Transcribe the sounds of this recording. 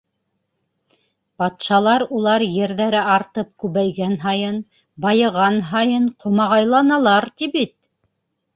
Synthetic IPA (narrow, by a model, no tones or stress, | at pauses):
b̥ɑt̪ʃɑlˠɑɾulˠɑɾjɘ̆ɾðæɾɘɑɾt̪ɤp̚kʉβæjɡænɦɑjɤn | bɑjɤ̆ʁɑnɦɑjɤnqʰŏmɑʁɑjlˠɑnɑlˠɑɾt̪iβit̪̚